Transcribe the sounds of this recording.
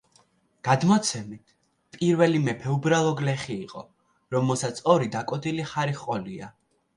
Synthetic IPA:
ɡ̥ad̪mɔt̪sʰɛmit̪ʰ | pʼiɾvɛlimɛpʰɛubɾalˠɔɡlɛχiːqʼɔ̰ | ɾɔmɛlˠsat̪sʰɔɾid̪akʼɔd̪iliχaɾiχqʼɔlia̰

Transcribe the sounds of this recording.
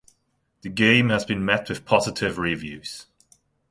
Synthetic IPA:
ðəɡẽɪ̃məzbĩnmɛʔwɪð̥pʰɒzɪtʰɪvɹivjʉːz̥

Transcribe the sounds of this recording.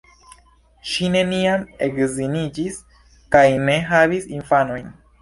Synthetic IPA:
ʃine̞niame̞kzinid͡ʒis | kajne̞ɦavisinfano̞jn

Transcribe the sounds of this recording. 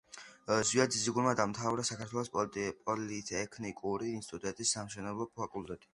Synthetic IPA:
zwiad̪ziziɡulˠmad̪amt̪ʰavɾasakʰaɾt̪ʰwɛlˠɔspʼɔlit̪ʰɛkʰnikʼuɾiːnsit̪ʼud̪ʼɛnt̪ʼisːamʃɛnɛblˠɔpʰakʼulˠt̪ʼɛt̪ʼi̥

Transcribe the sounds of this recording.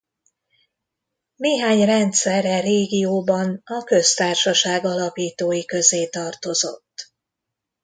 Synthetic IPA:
neːɦaːɲrɛnt̪sɛrɛreːɡijoːbɒnɒkø̞st̪aːrʃɒʃaːɡɒlɒpiːt̪oːjikø̞zeːt̪ɒrt̪o̞zo̞̰t̪ː

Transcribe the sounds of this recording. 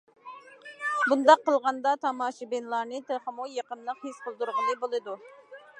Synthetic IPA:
bund̪ɑqːəlˠʁɑnd̪ɑt̪ʰɑmɑːʃibenlˠɑɾnɨt̪ʰeχəmujɑqənlˠəqhisqəlˠd̪uɾʁəlˠɨbolˠɨd̪u

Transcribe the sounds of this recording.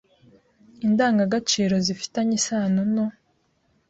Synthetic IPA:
indaːŋɡaɡat͡ʃiːɾo̞zifi̥taɲisaːnuno

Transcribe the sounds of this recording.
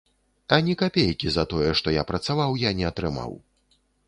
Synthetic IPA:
ɐnʲɛkapʲejkʲizɐt̪ɔjɛʂt̪ɔjapɾɐt̪savawjanʲɛɐt̪ɾɨma̰w

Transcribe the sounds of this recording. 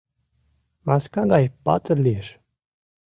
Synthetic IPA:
mɑskɑɡɑjpɑ̰t̪ərlijeʃ

